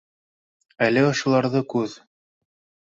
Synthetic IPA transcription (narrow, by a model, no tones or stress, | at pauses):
ælɘŏʃɤ̆lˠɑɾðɤkʉð